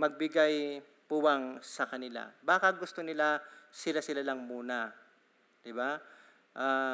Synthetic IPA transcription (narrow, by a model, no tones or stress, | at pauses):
mɐɡ̚bɪɡaj | puwaŋsɐkɐnɪla̰baːkɐɡʊst̪onɪlasɪlasɪlalɐŋmuːna | d̪ɪba | ʔaː